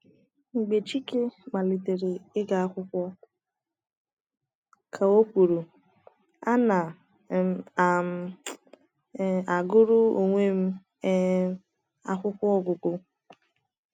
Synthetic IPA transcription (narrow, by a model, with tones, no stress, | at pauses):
ŋ͡m̩˨ɡ͡be˨t͡ʃi˦ke˦ma˨li˨te˨ɾe˨ɪ˦ɡa˨a˦kʷʊ˦kʷɔ˦ | kʰa˨o˦kʷu˨ɾu˨ | a˦na˨˦˨ | a˨ɡʊ˦ɾʊ˦o˨ŋʷe˦m̩˦ | a̰˦kʷʊ˦kʷɔ˦ɔ˨ɡʊ˨ko˨